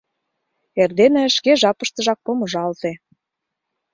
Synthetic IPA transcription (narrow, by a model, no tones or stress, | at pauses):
erd̪enĕəʃkeʒɑpə̆ʃt̪ə̆ʒɑk̚pomɤ̆ʒɑlt̪e